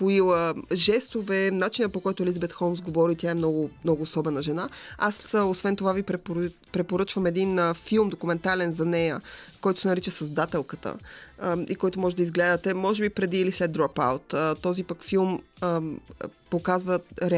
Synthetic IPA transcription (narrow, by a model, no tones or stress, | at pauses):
poilˠəʒɛst̪ovɛnat͡ʃinəpokɔjt̪ʊɛlizbɛt̪xɔlˠmsɡovɔɾit̪ʲjaɛmnɔɡʊmnɔɡʊːsɔbɛnəʒɛnaasosvɛnt̪ovavipɛ | pɾɛpoɾɤt͡ʃvəmɛd̪infilˠmd̪okumɛnt̪alɛnzɐnɛjəkɔjt̪o̥sɛnɐɾit͡ʃəsɐzd̪at̪ɛlˠkət̪ə̰ | ikɔjt̪omɔʒɛd̪ɐizɡlɛd̪ət̪ɛmɔʒɛbipɾɛd̪iːlislɛt̪d̪ɾɔpa̰wt̪ət̪ːɔzipəkfilˠm | pokazvəɾɛ